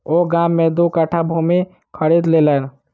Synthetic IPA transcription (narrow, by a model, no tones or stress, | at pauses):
oːɡaːmːẽd̪okəʈʰabʱume | kʰəɾeːd̪lelən